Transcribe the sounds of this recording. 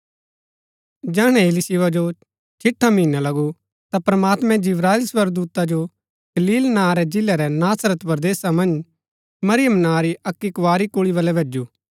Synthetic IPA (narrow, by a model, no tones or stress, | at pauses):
d͡ʒɛːɽ̃ɛ̃ɪlisiʋad͡ʒo | t͡ʃʰɪʈʰːamĩːnalɐɡu | t̪apɾɐmaːt̪mɛ̃d͡ʒɪʋɾaːɪlsʋəɾɡ̚d̪uːt̪ad͡ʒo | ɡ̥ɐliːlnãːɾɛd͡ʒɪlɛɾɛnaːsɾət̪pɐɾd̪eːsamɐ̃nd͡ʒ | mɐɾɪjəmnãːɾiʔɐkːikʋaːɾikʊɭiβɐlɛbʱeːd͡ʒuː